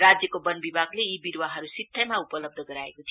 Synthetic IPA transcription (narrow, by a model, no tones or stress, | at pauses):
ɾad͡ʒjəkobənbibʱaɡleibiɾʋaɦəɾusit̪ʰːəmaupələb̚d̪ʱəɡəɾaeɡot̪ʰi